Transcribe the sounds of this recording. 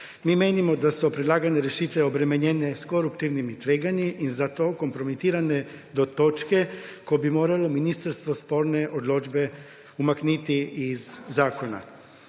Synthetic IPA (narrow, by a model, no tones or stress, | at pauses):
mimeːnimo̞d̪asopɾed̪laːɡaɲeɾeʃiːt̪ʋeo̞bɾemeɲene̞sko̞ɾupt̪iʋnimit̪ʋeɡaɲiʔizat̪o̞ko̞mpɾo̞mit̪iːɾane̞d̪o̞t̪o̞t͡ʃke̞ko̞jebimo̞ːɾalo̞minist̪aɾst̪ʋospo̞ɾne̞ʔod̪lˠod͡ʒbe̞ | umaknit̪iizːaːko̞na̰